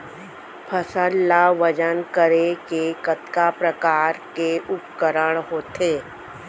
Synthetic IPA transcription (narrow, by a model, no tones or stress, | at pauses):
pʰəsənːaʋəd͡ʒənkəɾekekət̪kapɾəkaːɾkeʔʊpkəɾəɽ̃ɦoːt̪eː